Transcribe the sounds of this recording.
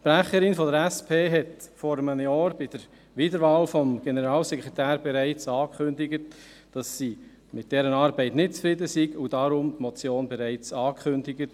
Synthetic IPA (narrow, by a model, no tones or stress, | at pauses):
pɾæχəɾɪnfɔdəɾɛspʰeːɦɛtfɔɾəmənjɑːɾb̥ɪd̥əɾ | ʋiːdəɾʋɑːlfɔmɡ̥enəɾɑːlsɛkʁetæːɾbɛɾæɪt͡sɑːkχʏndɪɡət | d̥ɑsːiː | mɪt̚d̥ɛɾənɑːɾbɛɪtnɪt̚t͡sfɾɪdəsiɡudɑɾʊmtmɔt͡sjoːnbɛɾæɪt͡sɑːkχʏndɪɡət